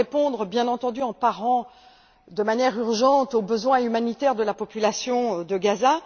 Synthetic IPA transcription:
epɔ̃d̪ʁəbjɛ̃nɑ̃t̪ɑ̃d̪yɑ̃paʁɑ̃ | d̪əmanjɛʁyʁʒɑ̃t̪obəzwɛ̃ymanit̪ɛʁd̪əlapɔpylasjɔ̃d̪əɡaza

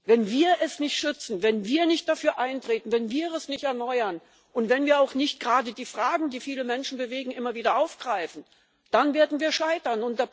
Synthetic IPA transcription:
vɛnviːɐʔɛsnɪçtʃʏt͡sn̩vɛnviːɐnɪçt̚d̥afyːɐʔaɪntʁ̥eːtn̩vɛnviːɛsnɪçtɛɐnɔʏɐn | ʔʊntv̥ɛnviːɐaʊxnɪçt̚ɡ̥ʁaːdədiːfʁ̥aːɡŋ̩diːfiːləmɛnʃn̩bəveːɡŋ̩ʔɪmɐviːdɐʔaʊfɡ̥ʁaɪfn̩ | d̥anveːɐdn̩viːɐʃaɪtɐnʊntda

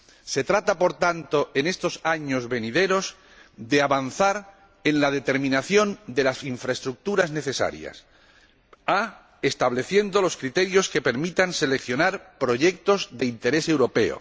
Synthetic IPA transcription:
se̞t̪ɾat̪apo̞ɾt̪ant̪o̞ʔe̞ne̞st̪o̞saɲo̞zβe̞niðe̞ɾo̞z | d̪e̞aβan̟θaɾ | e̞nlað̞e̞t̪e̞ɾmĩnaθjo̞nd̪e̞lasiɱfɾaest̪ɾuk̚t̪uɾazne̞θe̞sa̰ɾja̰s | a | est̪aβle̞θje̞nd̪o̞lo̞skɾit̪e̞ɾjo̞ske̞pe̞ɾmit̪anse̞le̞kθjo̞naɾpɾo̞ʝe̞k̚t̪o̞zðe̞int̪e̞ɾe̞se̞wɾo̞pe̞o̰

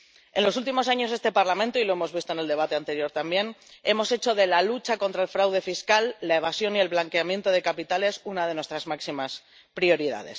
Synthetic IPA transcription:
e̞̰nlo̞sult̪̬imo̞saɲo̞zðest̪e̞paɾlamẽnt̪oilo̞e̞mo̞zβist̪oe̞ne̞ld̪e̞β̞at̪e̞ant̪e̞ɾjo̞ɾt̪ambje̞ne̞mo̞se̞t͡ʃo̞ðe̞lalut͡ʃako̞nt̪ɾae̞lfɾawðe̞fiskalːae̞βasjo̞nie̞lβlaŋke̞amjẽ̞nt̪o̞ð̞e̞kapit̪ale̞sunaðe̞nwe̞st̪ɾazmaksimas | pɾio̞ɾiða̰ð̞e̞̰s

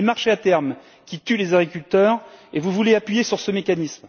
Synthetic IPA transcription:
emaʁʃeat̪ɛʁm | kʲit̪ylezaɡʁikʲylt̪œːʁevuvuleapɥijesyʁsəmekanism

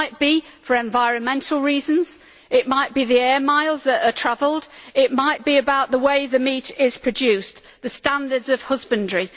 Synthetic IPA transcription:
ɪt̚b̥ifəɹɛ̃ɱvaɪɹə̃nmɛ̃ntʰˡl̩ˠɹiːzə̃nz̥ | ɪʔmaɪʔ̚b̥iðiɛːmaɪlˠzðəɾətʰɹ̥avəlˠdɪʔ̚maɪʔ̚b̥iɨbaʊʔ̪ðəweɪðəmiˑtɪz̥pʰɹ̥əd͡ʒʉˑs | ðəstãndədzəv̥hʊzbə̃ndɹi

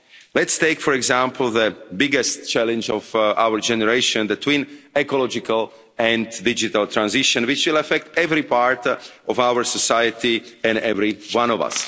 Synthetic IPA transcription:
lɛtst̪eɪkfɔɾɛɡzãmpʰl̩ˠðəbɪɡɛstt͡ʃɛlɛ̃nd͡ʒɔvʔa̰wəɹd͡ʒɛnɛɹeɪʃɔ̃nd̪ət̪ʰwĩːnɛkɔlɔd͡ʒɪkʰal | ɛ̃nddɪd͡ʒit̪alt̪ʰɾãnzɪʃɔ̃nwɪt͡ʃwɪlafɛk̚t̪ɛvɾipaɹt̪ʔɔvawəɹsɔsajət̪iɛ̃ndɛvɾiwãnɔva̰s

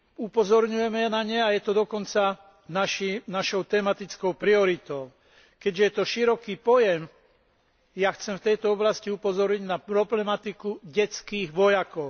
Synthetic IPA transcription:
upɔzɔɾɲujɛmɛnaɲɛajɛt̪ɔd̪ɔkɔnt͡sa | naʃinaʃɔʊt̪ɛmat̪it͡skɔʊpɾiɔɾit̪ɔʊ | kɛɟʒɛjɛt̪ɔʃiɾɔkiːpɔjɛm | jaxt͡sɛmft̪ɛjt̪ɔɔblasciupɔzɔɾɲiɟnapɾɔblɛmat̪ikuɟɛt͡skiːɣʋɔjakɔʊ

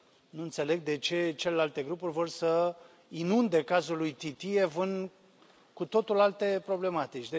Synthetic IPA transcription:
nuɨnt̪se̞le̞ɡ̚d̪e̞t͡ʃe̞t͡ʃe̞le̞lalt̪e̞ɡɾupurʲvo̞rsə | inund̪e̞kazulujt̪it̪ievɨn | kut̪o̞t̪ulalt̪e̞pɾo̞ble̞mat̪it͡ʃʲd̪e

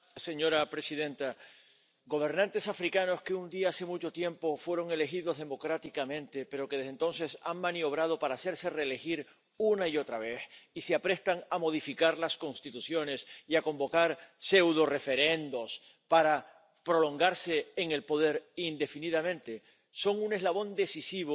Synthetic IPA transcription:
se̞ɲo̞ɾapɾe̞siðẽ̞nt̪a | ɡo̞β̞e̞ɾnãnt̪e̞safɾikano̞ske̞und̪iaase̞mut͡ʃo̞t̪je̞mpo̞fwe̞ɾo̞ŋe̞le̞xiðo̞ɦðe̞mo̞kɾat̪ikamẽ̞nt̪e̞pe̞ɾo̞keðeɦðe̞nt̪o̞nse̞sa̰ŋmãnio̞β̞ɾað̞o̞paɾaːse̞ɾse̞re̞ːle̞xiɾ | unaio̞t̪ɾaβ̞e̞θiseapɾe̞st̪aŋamo̞ðifikaɾlasko̞nst̪it̪usjo̞ne̞siakõ̞mbo̞kaɾse̞wðo̞re̞fe̞ɾe̞nd̪o̞s | paɾa | pɾo̞lõ̞ŋɡaɾse̞ːŋe̞lpo̞ðe̞ɾind̪e̞finiðamẽ̞nt̪e̞ | so̞ŋune̞zlaβo̞nd̪e̞sisiβo

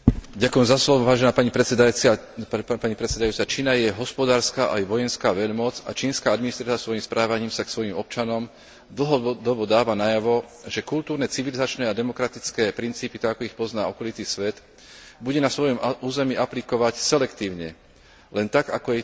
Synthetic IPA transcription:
ɟakʊjɛmzaslɔʋɔʋaːʒɛnaːpaɲip̪ | paɲipɾɛt̪t͡sːɛd̪ajuːt͡sat͡ʃiːnajɛɦɔspɔd̪aːɾskaːʔajʋɔjɛnskaːʋɛʎmɔd͡za̰t͡ʃiːnskaːad̪minist̪ɾat͡s̪asʋɔjimspɾʔaːʋaɲiːmsaksʋɔjimɔpt͡ʃanɔm | d̪l̩ɦɔd̪ɔbɔd̪aːʋanajaʋɔʒɛkult̪uːɾnɛt͡siʋilizat͡ʃnɛːad̪ɛmɔkɾat̪it͡skɛːpɾint͡siːpit̪aɡakɔixpɔznaːɔkɔlit̪iːsʋɛt̪ | buɟɛnasʋɔjɔmuːzɛmiʔaplikɔʋacsɛlɛkt̪iːʊɲɛ̰ | lɛnt̪aɡa̰kɔjɛ

